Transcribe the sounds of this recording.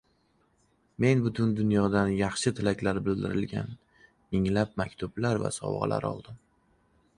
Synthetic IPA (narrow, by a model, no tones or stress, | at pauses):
me̞nbʊt̪ʰʊnd̪ʊnjɒd̪anjɑχʃɪt̪ʰɪlakʲlaɾbɪld̪ɪɾɪlɡʲa̰n | mɪŋlap̚makʲt̪ʰʊblaɾva̰sɒ̰wʁɑ̰lʔa̰ɾɒ̰lˠd̪ɪm